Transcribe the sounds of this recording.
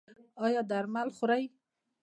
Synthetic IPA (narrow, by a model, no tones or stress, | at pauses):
ɑjɑd̪aɾmalxʊɾaj